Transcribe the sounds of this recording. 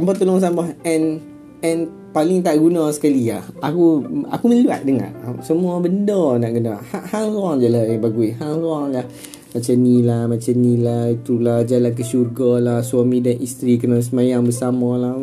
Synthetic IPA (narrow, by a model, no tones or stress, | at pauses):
sambat̪əlʊŋs̬ambaɦɛn | ɛn | palɪŋt̪aʔɡunasə̥kaliahakua̰kuməlua̰t̪̚dəŋa̰ʔsəmuabəndɔnaʔɡunahaʔhaŋluaŋd͡ʒalajabaɡuihaŋlwaŋlah | mat͡ʃanilahmat͡ʃanilahit̪ulahd͡ʒalank̬əʃurɡɔlahswamĩdanʔist̪ɾikənas̬əmajaŋbəsamɔ̃lah